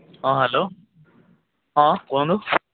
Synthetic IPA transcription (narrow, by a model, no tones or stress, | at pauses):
ɦãːɦɛloː | ɦãkõnd̪u